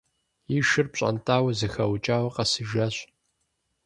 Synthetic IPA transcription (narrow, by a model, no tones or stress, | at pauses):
jiʃɨrpɕʼɐ̰ntʰʼaːwɐzɨxɐwt͡ʃʼaːwɐqɐsɨʒɐɕ